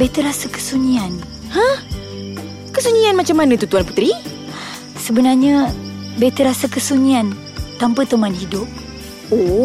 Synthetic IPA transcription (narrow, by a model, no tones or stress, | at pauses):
bet̪əɾasəkə̥suɲian | hə̃ | kəsuɲianmat͡ʃamːanə̃t̪ut̪uanpu̥t̪ɾi | səbənarɲə | bet̪əɾasakəsuɲian | t̪ampət̪əmanɦidʊp̚ | o